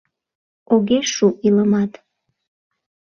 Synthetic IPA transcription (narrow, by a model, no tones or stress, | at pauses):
oɣeʃuʔiləmɑt̪